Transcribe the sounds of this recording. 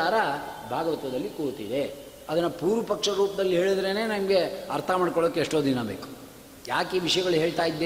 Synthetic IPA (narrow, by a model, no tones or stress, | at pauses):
aːɾɐbʱaːɡɐʋɐt̪ʋɐd̪ɐlːikuːt̪id̪e | ɐd̪ɐnːɐpuːɾʋɐpɐkʂɐɾuːpɐd̪ɐlːiɦe̞ːɭid̪ɾene̞ːnɐmɐɡe̞ɐɾt̪ʰɐmaːɖkɔɭoukːeʂʈoːd̪inɐbḛːku̥ | jaːkeːʋiʂɐjɐɡɐɭuɦe̞ːɭt̪aːjid̪ːe